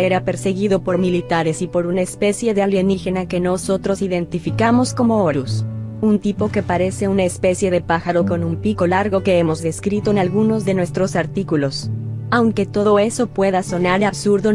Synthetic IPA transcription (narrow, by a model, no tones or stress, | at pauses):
eɾape̞ɾse̞ɣiðo̞po̞ɾmilit̪aɾe̞sipo̞ɾunaespe̞sje̞ðealjenixe̞nake̞no̞so̞t̪ɾo̞siðe̞nt̪ifikamo̞sko̞mo̞oɾusunt̪ipo̞ke̞paɾe̞se̞unaespe̞sje̞ðe̞paxaɾo̞ko̞numpiko̞laɾɣo̞ke̞emo̞zðe̞skɾit̪oenalɣuno̞zðe̞nwe̞st̪ɾo̞saɾt̪ikulo̞sawŋke̞t̪o̞ðo̞e̞so̞pwe̞ðaso̞naɾaβsuɾðo